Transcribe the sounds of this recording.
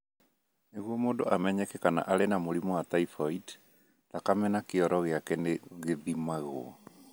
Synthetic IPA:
neɣuɔmoːndoʔamɛɲɛkɛkana̰ʔaɾenamoɾimɔat̪aifɔid | takamɛnakeɔɾɔɣeakɛneɣeðimaɣo̰ɔ

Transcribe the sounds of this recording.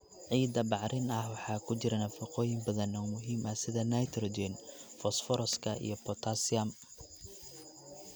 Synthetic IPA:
ʕiːd̪ɐbɑʕɾɪnɐhwɑħɑːkʰʊt͡ʃɪɾɐnɐfɪqɔːjɪmbɐðɐnɔmʊɦiːmɐsɪðɐnɐjt̪ʰɾɔd͡ʒɛnfɔsfɔɾɔskʰɐḭjɔpʰɔt̪ʰasɪɐm

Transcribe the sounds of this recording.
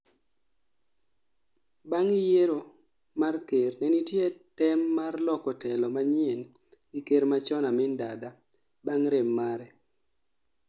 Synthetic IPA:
baŋɪjeɾo | markernɛnitjetɛmːarlɔkɔtɛlɔmaɲien | ikeɾmat͡ʃɔnamɪndada | baŋɾemːaɾɛ

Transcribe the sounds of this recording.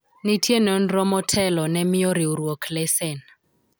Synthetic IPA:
nitʰienɔn̩rɔmɔtʰɛlɔnɛmioɾiurɔkʰlɛsɛn

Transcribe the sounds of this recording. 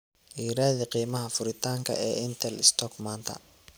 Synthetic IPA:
ʔiːɾaːðiqiːmɐɦɐfʊɾɪt̪ʰaːŋkʰɐ̰ʔɛːɪnt̪ʰɛlɪst̪ʰɔkmaːnt̪ʰɐ̰

